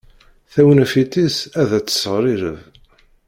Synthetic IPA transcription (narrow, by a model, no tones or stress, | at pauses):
θæwənfit̪isæðæt͡sːə̥sːʁɾˤiɾə̰v